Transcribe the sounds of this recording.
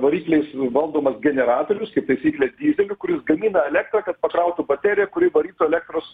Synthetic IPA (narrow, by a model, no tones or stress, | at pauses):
ʋɐɾʲiːklʲɛɪsʋɐlˠd̪oːmɐsɡʲɛnʲɛɾɑːt̪oːɾʲʊskɐɪp̚t̪ɐɪsʲiːklʲɛsd̪ʲiːzʲɛlʲʊkʊɾʲɪsɡɐmʲiːnɐɛlʲæːk̚t̪ɾɐːkɐt̪̚pɐkɾɐʊt̪ubɐt̪ʲæːɾʲɪjɛkʊɾʲɪʋɐɾʲiːt̪uɛlʲɛːk̚t̪ɾoːs